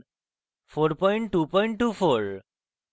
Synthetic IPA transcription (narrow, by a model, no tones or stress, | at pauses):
foɾpɔiɳʈːupɔiɳʈːuːfoɾ